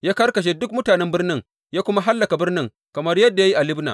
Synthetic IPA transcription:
jaː˦kɐ˦rkɐ˨ʃ̬e˦dʊ˦kmʊ˦taː˨nɛ˦mbɪ˦rnɪ˦ŋ | jaː˦kʷʊ˦ma˦ɦa˦lːɐ˨ka˨bɪ˦rnɪ˦ŋ | kɐ˨mɐ˦rjɐ˦dːa˨ja˦ji˦ʔa˨lɪ˦bna̰˨

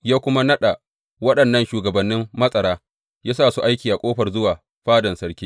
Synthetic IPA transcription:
jaː˦kʷʊ˦ma˦nɐ˦ɗa˨ | wɐ˦ɗɐ˨nːɐ˦nʃuː˨ɡɐ˨bɐ˨nːɪ˦mːɐ˦sʼɐ˨ɽaː˦ | jaː˦saː˦˨su˦ʔa˦jkʲiː˨ʔa˨kʷʼoː˦ɸɐ˨rzʊ˦waː˨ | ɸaː˦dɐ˨nsɐ˦ɽkʲiː˦

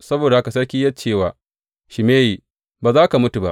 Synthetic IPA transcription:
sɐ˦boː˨da˨ʔa˦ka˨sɐ˦ɽkʲiː˦jɐ˦t͡ʃeː˦˨waː˨ | ʃɪ˨meː˦ji˨ | baː˨zaː˦ka˨mʊ˦tu˨ba̰˦ʔ

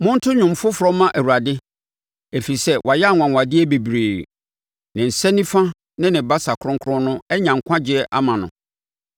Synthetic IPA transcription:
mʊ̃˦n̩˦tʰʊ˦ɲʊ̃˨m̩˨fʊ˦fʊ˨ɾɔ˦mːã˦ʔæ˨wu˨ɾa˨dɪ˦ | e˨fi˨sɛ˦wʔa˨jɛ˦a˦˨ŋʷ˨ã˨ŋʷ˨a˨dɪ˦ɛ˦be˨bɾeː˨ | nɪ̃˨n̩˨sɛ˦nĩ˦fã˦ | nɪ̃˦nɪ̃˨ba˦sa˨kʰɾʊ̃˦ŋkʰɾʊ̃˦nʊ̃˦ɛ˦ɲã˨ŋ̩˨kʰʷã˦d͡ʑɪ˨ɛ˦ʔa˦mã˨nʊ̃˨

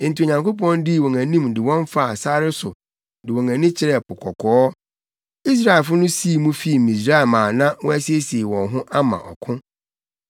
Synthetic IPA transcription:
n̩˨ti˨o˨ɲã˨ŋko˦p̬ɔ̃˦ndɪ˦˨wɔ̃˨ŋæ̃˨nĩ˦mdɪ˨wɔ̃˦n˦fa˦˨saː˦ɾɪ˦sʊ˨ | dɪ˨wɔ̃˨ŋæ̃˨nĩ˦t͡ɕʰɪ˦ɾɛ˦˨pʊ˨kʰɔ˨kʰɔː˨˦ | i˦s̬ɾa˦ɪ˨fʊ˦nʊ̃˦si˦˨˦mũ˦fi˦˨mĩ˨s̬ɾa˦ɛ˨lmãː˨nã˦wɔ̃˦æ˦si˦e˦si˨e˨wɔ̃˨nɦʊ̃˦ʔa˦mã̰˨ʔɔ̰˨kʰʊ̃˦

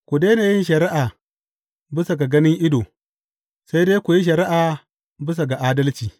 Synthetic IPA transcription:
kʷu˨deː˦naː˨jɪ˦nʃɐ˨ɾɪ˦ʔaː˨ | bɪ˦sa˨ɡa˨ɡɐ˦nɪ˦ŋʔɪ˦doː˨ | sa˦jdeː˦kʷu˨ji˦ʃ̬ɐ˨ɾɪ˦ʔaː˨ | bɪ˦s̬a˨ɡa˨ʔaː˦dɐ˦lt͡ʃiː˨

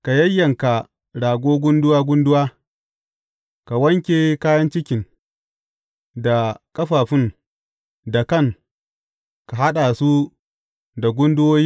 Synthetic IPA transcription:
ka˨jɐ˦jːɐ˨ŋka˨ | ɽaː˨ɡʷoː˦ɡʷʊ˦ndʊ˦waː˦ɡʷʊ˦ndʊ˦waː˦ | ka˨wɐ˦ŋkʲeː˨kaː˦jɐ˦nt͡ʃɪ˦kʲɪ˨ŋ | da˨kʼɐ˦ɸaː˨ɸɪ˦ŋ | da˨kɐ˦˨ŋ | ka˨ɦa˦ɗa˨su˦ | da˨ɡʷʊ˦ndʊ˦woː˦ji˦

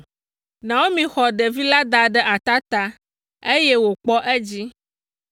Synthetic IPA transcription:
nã˨wo˦mĩ˨xɔ˨ɖɛ˨vi˦la˦d̪a˨ɖɛ˦ʔa˨t̪a˦t̪a˦ | e˦je˦wo˨k͡pɔ˦ʔɛ˦d͡ʑi˦

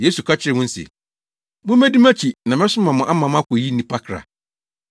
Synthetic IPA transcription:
je˦su˨kʰa˦t͡ɕʰɪ˦ɾɪ˨wʊ̃˦n̩˦sḛ˨ | mʊ̃˦mæ̃˦di˦mæ̃˦t͡ɕʰi˨nã˨mɛ̃˦sʊ˦mã˨mʊ̃˨ʔa˦mã˨m˦a˦kʰɔ˨ji˦nĩ˨pʰa˦kʰɾa̰˨

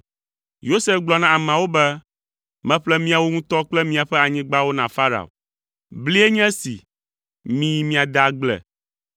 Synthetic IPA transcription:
jo˦se˦fɡ͡blɔ˨nã˨a˨mã˨wo˦bɛ˦ | mɛ̃˦ɸlɛ˦mĩ˦a˨wo˦ŋũ˦t̪ɔ˦k͡plɛ˦mĩ˦a˨ɸɛ˦a˨ɲĩ˦ɡ͡ba˦wo˦nã˨fa˦ɾa̰˨o̰˨ | bli˦ɛ˦ɲɛ̃˦sḭ˨ | mĩ˦mĩ˦a˨d̪a˦ɡ͡blɛ̰˨

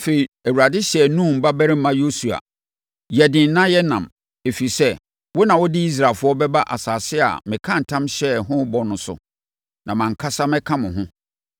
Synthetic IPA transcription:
fe˨i˨æ˨wu˨a˨dɪ˦ɕɛ˨nũ˦˨m̩˨ba˦bæ˦ɾɪ˦m̩˦mã˦jo˦su˨a̰˨ | jɛ˨dɪ̃˨n̩˦nã˦jɛ˦nã̰˨m | e˨fi˨sɛ˦ | wɔ˦nã˨wɔ˦dɪ˦i˦s̬ɾa˨fʊ˦ɔ˦bɛ˦ba˦ʔa̰˨saː˨sɪ˦a̰˨mɪ̃˨kʰã˦n̩˨tʰã˦mɕɛ˦ɦʊ̃˦bɔ˦nʊ̃˨sʊ̰˨ | nã˨mã˨ŋ̩˨kʰa˦sa˦mɪ̃˦kʰã˦mʊ̃˨ɦʊ̃˦

